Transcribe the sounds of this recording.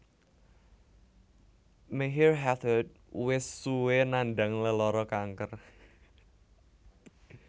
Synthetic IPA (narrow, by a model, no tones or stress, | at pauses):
meɦirɦat̪ʰəd̚ | wɪsːuwenanɖa̤ŋləlɔɾɔkaŋkər